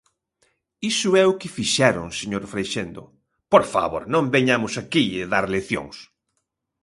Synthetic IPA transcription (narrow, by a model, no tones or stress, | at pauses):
isʊɛʊkɪfiʃɛɾʊ̰ŋseɲoɾfɾejʃend̪ʊ̰ | poɾfa̰βo̰ɾnõmbeɲamʊsakiɪðaɾleθjõ̰ŋs